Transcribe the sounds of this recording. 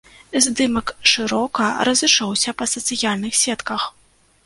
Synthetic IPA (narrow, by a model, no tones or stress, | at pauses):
zʲd̪ɨmɐkʂɨɾɔkɐɾɐzɨt͡ʂɔwsʲɐpɐsɐt̪sɨjalʲnɨxsʲɛt̪kɐx